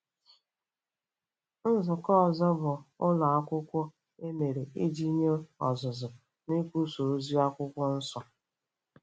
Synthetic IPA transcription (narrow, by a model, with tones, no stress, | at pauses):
n̩˦zʊ˨kɔ˦˨zɔ˦bʊ˨ʊ˦la˨a˦kʷʊ˦kʷɔ˦ | e˦me˨ɾe˨e˦d͡ʒi˦ɲe˦ɔ̰˨zʊ˨zʊ˨ | ne˦kʷu˦so˨ɾo˦zi˦a˦kʷʊ˦kʷɔ˦n̩˦sɔ˨